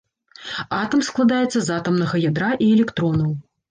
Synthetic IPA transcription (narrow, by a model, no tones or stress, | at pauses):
at̪ɐmsklˠad̪ajɛt̪sːɐzat̪ɐmnɐɣɐjad̪ɾaʔiɛlʲɛkt̪ɾɔnɐw